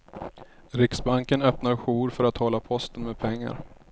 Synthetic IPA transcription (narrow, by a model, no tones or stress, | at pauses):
ɾɪksbaŋkənœpnaɾɧuːɾfœɾat̪ʰhɔlːapʰɔst̪ənmɛːd̪̚pʰɛŋːa̰ɾ